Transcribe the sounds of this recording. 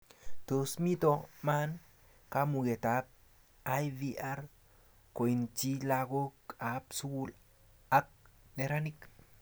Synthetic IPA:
t̪o˧smi˦t̪o˧ma˦n | ka˦mu˧ɡe˨t̪a˨˦p̚ | a˦jvi˧ʔa˦ɾ | ko˨i˨nt͡ʃi˦la˧ɡo˦ka˨psu˦ɡu˧l | a˦k̚ne˧ɾa˦ni˦k

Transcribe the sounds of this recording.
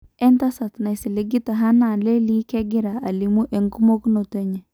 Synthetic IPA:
ɛ˦nta˦sa˨tna˨jsi˨le˦ɡi˦ta˨ɦa˦na˨nle˦li˦kɛ˦ɡɪ˦ɾa˨a˨li˨mu˦ʔe˨ŋku˦mo˦kno˨te˦ɲɛ˨

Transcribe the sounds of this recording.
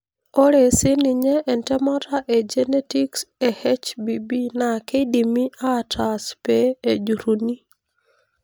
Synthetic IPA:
o˦ɾe˨si˦ni˨ɲɛ˦ʔːntɛ˦ma˦taʔe˨d͡ʒɛ˦ne˦ti˦kse˨hɛ˦t͡ʃbi˨bi˦na˨ke˦di˨mi˦a˦ta˨spe˦e˨d͡ʒu˨ɾu˨ni˦

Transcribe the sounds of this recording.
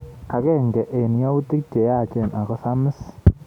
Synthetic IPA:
a˨kɛ˦ŋɡɛ˨ʔe˨nja˦u˦ti˦k̚t͡ʃɛ˨ja˦˨t͡ʃɛ˦˨nʔa˨kɔ˦sa˦mə˦s

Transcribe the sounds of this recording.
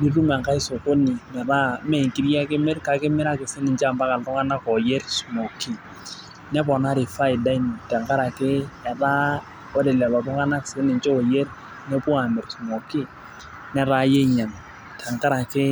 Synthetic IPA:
ni˦ru˦ma˨ŋka˦i˦so˨ko˦ni˨mɛ˨ɾa˦mɛ˦˨i˨ŋki˦ɾja˦kɪ˦mɪ˦ɾka˨kɪ˦mɪ˦ɾa˦kɪ˨sɪ˦nɪ˨ɲt͡ʃa˨mba˦ka˨ltʊ˦ŋa˦na˦kɔ˨je˦rsu˨mo˨kɪ˦ | nɛ˦pɔ˨na˦ɾɪ˨fa˦ɪ˨da˦i˦ni˨tɛ˨ŋka˦ɾa˨kɪ˦ɛ˨ra˦ | o˦de˨lɛ˨lɔ˨tʊ˦ŋa˦na˦kɪ̥˨sɪ˦nɪ˨ɲt͡ʃɛ˦o˨je˦r | nɛ˦pu˦a˨mɪ˨ɾsu˨mo˨kɪ˦ | nɛ˦ɾa˦je˦ɲa˨n | tʰɛ˨ŋka˦ɾa˨kɪ˦

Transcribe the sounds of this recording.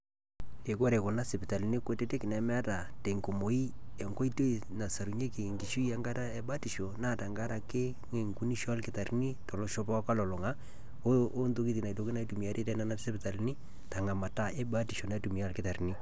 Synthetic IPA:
e˨ko˦ɾe˨ko˨na˦sɪ˨pɪ˨ta˨li˨˦ni˦ko˦te˦te˦kɪ˨nɛ˨mɛ˦a˦ta˨te˨ŋko˨mo˨i˦ | ɛ˨ŋɡo˦i˦to˦i˨ | na˨sa˨ɾu˨ɲe˦ki˨ŋɡi˨ʃu˦ja˦ŋɡa˦ta˦ɛ˦ba˦ti˨ʃo˨na˦˨ta˨ŋɡa˦ɾa˨ke˦ | ŋe˨ŋku˦ni˦ʃɔ˦a˦lkɪ˦ta˨ɾni˦tɔ˨lɔ˦ʃɔ˦pɔ˦ka˦lɔ˨lɔ˨ŋa˦ | o˦nto˦ki˦ti˨na˨to˨ki˦na˦i˦tu˨mi˨a˨te˦tɛ˦na˦na˦sɪ˦pɪ˨ta˨lni˦ | ta˨ŋa˨ma˨ta˦ɛ˦ba˦ti˨ʃo˨na˨˦tu˨mi˨a˦˨lkɪ˦ta˨ɾni˦

